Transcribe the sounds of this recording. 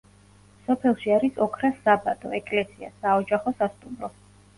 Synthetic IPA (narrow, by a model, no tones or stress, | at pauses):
sɔpʰɛlˠʃiaɾisɔkʰɾasabad̪ɔ̰ɛkʼlɛsia̰saɔd͡ʒaχɔsast̪ʼumɾɔ